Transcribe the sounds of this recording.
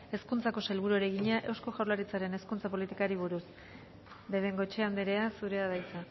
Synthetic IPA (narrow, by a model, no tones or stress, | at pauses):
e̞skunt͡sako̞selβ̞uɾuoɾe̞ɣiɲaʔe̞wsko̞ʝawlaɾit͡saɾe̞ne̞skunt͡sapo̞lit̪ikaɾiβ̞uɾus | d̪e̞βe̞ŋɡo̞t͡ʃeand̪eɾe̞asuɾe̞að̞ajt͡sa